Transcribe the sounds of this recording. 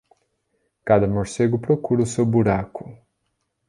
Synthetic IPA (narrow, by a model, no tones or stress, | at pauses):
kad̪amɔʃseɡupɾokuɾuseubuɾaku